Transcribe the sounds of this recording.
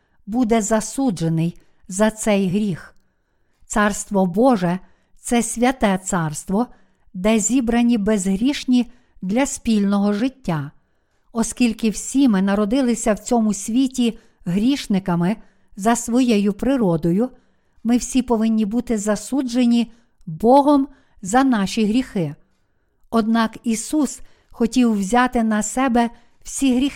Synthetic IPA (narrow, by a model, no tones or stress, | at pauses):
bud̪ɛzɐsud͡ʒenɪj | zɐt̪sɛjɦɾʲix | t̪sɑrst̪ʋɔbɔʒɛ | t̪sɛsʲʋʲɐt̪ɛt̪sɑrst̪ʋɔ | d̪ɛzʲibɾɐnʲibezɦɾʲiʃnʲi | d̪lʲɐsʲpʲilʲnɔɦɔʒɪtʲːa | ɔskʲilʲkɪwsʲimɪnɐɾɔd̪ɪlˠɪsʲɐwt͡sʲɔmʊsʲʋʲitʲi | ɦɾʲiʃnɪkɐmɪ | zɐsʋɔjɛjʊpɾɪɾɔd̪ɔjʊ | mɪwsʲipɔʋɪnʲːibut̪ɪzɐsud͡ʒenʲi | bɔɦɔm | zɐnɑʃʲiɦɾʲixɪ | ɔd̪̚nɑkisus | xɔtʲiwwzʲɑt̪ɪnɐsɛbɛ | w̥sʲiɦɾʲi